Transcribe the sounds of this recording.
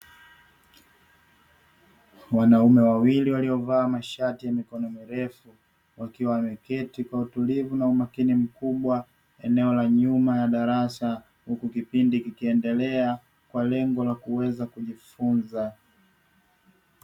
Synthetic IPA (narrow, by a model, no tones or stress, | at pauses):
wanaumɛwawiliwaliɔvaːmaʃatijamikɔnɔmiɾɛfu | wakiwawmɛkɛtikwautulivunaumakinim̩kuɓwa | ɛnɛɔlaɲumajaɗaɾasa | hukukipindikikiɛndɛlɛa | kwalɛŋɡɔlakuwɛzakuʄifunza